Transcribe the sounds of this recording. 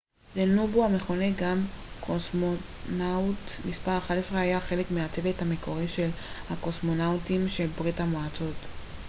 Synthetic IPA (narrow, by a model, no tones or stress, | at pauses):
lenubuame̞χo̞neɡamkʰosmo | nawtmispaʁaχadesʁeajaχe̞le̞kmeat͡se̞vethamekʰo̞ʁiʃe̞l | hako̞smo̞nawtimʃe̞lbʁithamoat͡so̞t